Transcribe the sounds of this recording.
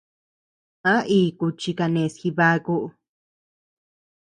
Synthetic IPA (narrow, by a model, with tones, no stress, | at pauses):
ã˦ʔiː˦˧˨ku˧t͡ʃi˧ka˧nẽ˨sxi˧βa˧˦ku˦ʔ